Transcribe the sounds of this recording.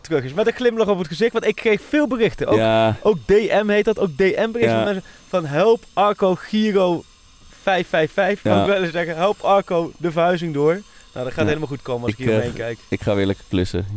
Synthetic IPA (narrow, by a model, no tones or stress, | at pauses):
tərɵχɪsmɛtəχlɪmlɑχɔpətχəzɪxtʋɑ̃ntɪkːrejxfɪːlˠbərɪxtəowʔowk̚deʔɛmɦejt̚dɑtowk̚dejʔɛmbərɪxtəmɛns | fɑnɦɛlˠpɑɹkowχiːrow | fɛjfɛjfɛjfaɪɪlɪszɛɣəɦɛlˠpʰɑɹkowdəvəɹɦœɥzɪŋdʊːɹno̰wdɑtχaːtɦejləmalˠxutkowməɑsɪkɦiejnkɛjkɪkχaːʋɪːɹlɛkəklɪsə̰